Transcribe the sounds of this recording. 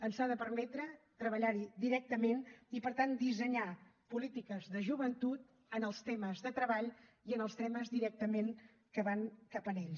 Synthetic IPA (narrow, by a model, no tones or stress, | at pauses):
ənsaðəpəɾmɛt̪ɾət̪ɾəβ̞əʎaɾid̪iɾɛk̚t̪əmenipəɾt̪and̪izəɲapulit̪ikəzðəʒuβənt̪ut̪̚ | ənəlˠst̪ɛməzðət̪ɾəβaʎiənəlˠst̪ɛməzðiɾɛk̚t̪əmen | kəβaŋkapəneʎ